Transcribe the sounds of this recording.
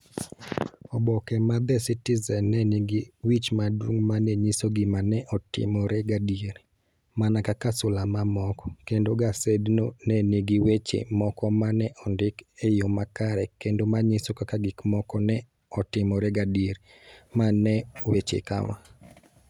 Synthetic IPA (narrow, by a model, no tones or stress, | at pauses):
ɔbɔkɛmad̪ɛsitizɛnːɛniɡiwit͡ʃmadwuŋmanɛɲisoɡɪmanɛʔɔtɪ̰mɔɾɛɡadieɾ | manakakasʊlamamɔkɔ̥kendoɡasednonɛniɡiwet͡ʃḛmɔkɔmanɛʔɔndɪkejomakaɾɛkendomaɲisokakaɡɪkmɔkɔnɛ | ɔtɪmɔɾeɡadeɾ | manɛwet͡ʃḛka̰wa̰